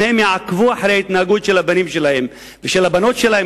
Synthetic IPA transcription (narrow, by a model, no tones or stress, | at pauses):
ehemjeʕakvuaħaɾehait̪naaɡut̪ʃelabanimʃe̞lahe̞m | veʃelhabano̞tʃelahe